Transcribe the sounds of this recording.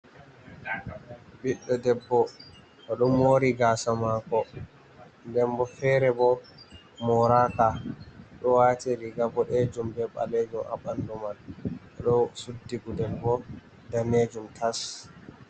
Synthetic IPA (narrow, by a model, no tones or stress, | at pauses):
biɗːɔdɛbːɔ | ʔɔɗɔmoːɾiɡaːsamakɔ | ndɛmbɔfɛːɾɛbɔ | mɔɾaːkaɗɔwatiɾiɡabɔɗɛd͡ʒumbɛɓa̰lɛd͡ʒumʔa̰ɓandɔmanʔɔɗɔsudːiɡudɛbːɔ | daned͡ʒumtʰas